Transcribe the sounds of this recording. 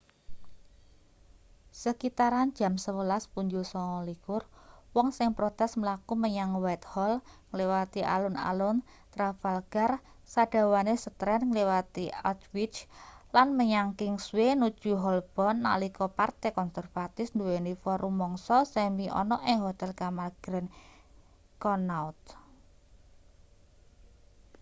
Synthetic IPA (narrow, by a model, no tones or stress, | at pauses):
səkit̪aɾand̥d͡ʒ̥a̤msəwəlaspuɲd͡ʒusɔŋɔlikʊrwɔŋsɪŋpɾɔt̪ɛsməlakuməɲaŋwat̪̚hɔlŋlewat̪iʔa̰lʊna̰lʊn | t̪ɾafalɡ̥ar | sad̥a̤wanesət̪ɾɛnŋlewat̪iat̪wit͡ʃlanməɲaŋkɪŋswenud̥ʒ̥ṳɦɔlb̥ɔ̤nːa̰likɔpart̪ekɔnsɛrfat̪ɪfnd̪uwenifɔɾumːɔŋsɔsɛmiʔɔ̰nɔʔɪŋɦot̪ɛlkamarɡ̥ɾɛn | kɔnat̪̚